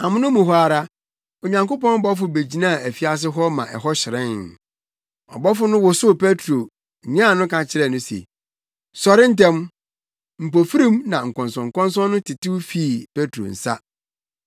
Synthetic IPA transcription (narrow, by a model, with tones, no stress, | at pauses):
a˨mʊ̃˦nʊ̃˦mũ˨ɦɔ˦a˨ɾa˦ | o˨ɲã˨ŋkʊ˦pɔ̃˦n˦bɔ˦fʊ˨be˨d͡ʑi˨nã˦˨æ˨fi˦a˦s̬ɪ˦ɦɔ˦mã̰˨ʔɛ̰˨ɦɔ˦ɕɪ˨ɾɛ̃˦n˨ | ɔ̰˨bɔ˦fʊ˦nʊ̃˦wɔ˨sʊ˦pe˦tʰɾo˨ | ɲã˦˨nʊ̃˦kã˨t͡ɕʰɪ˨˦ɾɛ˦˨nʊ̃˦sḛ˨ | sɔ˨ɾɪ˦n̩˦tɛ̃˦m | m̩˨po˨fi˦ɾĩ˦mnã˨ŋ̩˨kʰɔ̃˨nsɔ̃˨ŋ̩˨kɔ̃˦ns̬ɔ̃˦nːʊ̃˦tʰɪ˨tɪ˦wfiː˦˨pe˦tʰo̰˨n̩˨sa̰˦